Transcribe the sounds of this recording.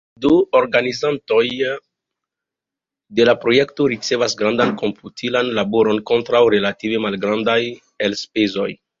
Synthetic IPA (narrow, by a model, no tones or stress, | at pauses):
duoɾɡanizanto̞j | de̞lapɾo̞je̞kto̞ɾit͡se̞vasɡɾandanko̞mpʰutʰilanlabo̞ɾo̞nko̞ntɾawɾe̞lative̞malɡɾandaj | elspezo̞j